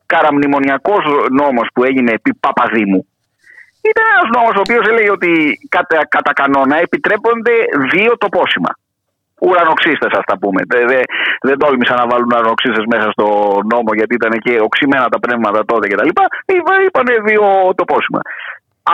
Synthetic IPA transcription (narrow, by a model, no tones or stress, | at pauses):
kɐɾɐmnimo̞niɐko̞zno̞mo̞spue̞ʝine̞pipɐpɐðimu | it̪ɐnenɐzno̞mo̞soːpio̞se̞le̞ʝeo̞t̪ikɐt̪kɐt̪ɐkɐno̞nɐepit̪ɾe̞po̞nd̪e̞ðio̞t̪o̞po̞simɐ̰ | uɾɐno̞ksist̪e̞sɐst̪ɐpume̞̰ðeðed̪olmisɐnɐvɐlunɐɾono̞ksist̪e̞zme̞sɐst̪o̞no̞mo̞ʝɐt̪iit̪ɐnece̞o̞ksime̞nɐt̪ɐpne̞vmɐt̪ɐt̪o̞t̪e̞ce̞t̪ɐlipɐivɐipɐneðio̞t̪o̞po̞simɐ̰